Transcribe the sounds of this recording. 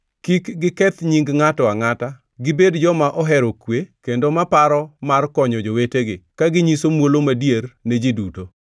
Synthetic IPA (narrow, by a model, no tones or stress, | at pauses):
kikɡɪkɛt̪ɲiŋɡŋatɔaŋata | ɡɪbedd͡ʒɔmaʔɔɦɛɾokwekendomapaɾɔmarkɔɲɔd͡ʒoweteɡɪkaɡɪɲisomwolomadjerned͡ʒiduto